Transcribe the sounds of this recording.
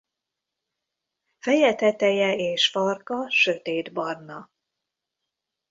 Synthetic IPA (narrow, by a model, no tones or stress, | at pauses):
fɛjɛt̪ɛt̪ɛjɛeːʃfɒrkɒʃøt̪eːd̪bɒrnɒ